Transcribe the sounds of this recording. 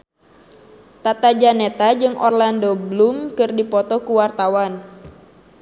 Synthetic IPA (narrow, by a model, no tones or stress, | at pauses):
t̪at̪ad͡ʒanet̪ad͡ʒɨŋʔɔrlandoblumkɨrdipɔt̪ɔkuwart̪awan